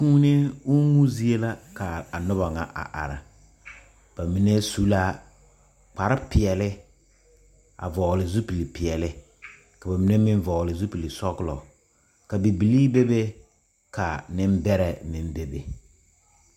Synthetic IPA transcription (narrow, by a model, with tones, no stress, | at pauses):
kũː˦ne˦ʊ˦ŋu˦zi˦e˦la˦ka˨a˨nʊ˦ba˨ŋa̰˨ʔa̰˨ʔa̰˨ɾɪ̰˨ | b̥a˨mi˨ne˦su˦la˦ | k͡pa˨ɾɪ˦pɪ˨ɛ˨lɪ˦ | a̰˨vɔ˨lɪ˨zu˦pi˨li˨pɪ˨ɛ˨lɪ˦ | ka˨ba˨mi˦ne˦mɪ˦ɱ˦vɔ˨lɪ˨zu˦pi˨li˨sɔ˦ɣʊ˦lɔ̰˨ | ka˨bi˨bi˨liː˦be˦be˦ | ka˨nɪ˦m˦bɛ˦ɾɛ˨mɪ˨m˦be˦be˨